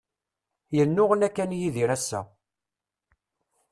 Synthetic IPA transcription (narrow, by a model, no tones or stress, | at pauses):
jənːʊʁənækːænjiðiɾæsːæ̰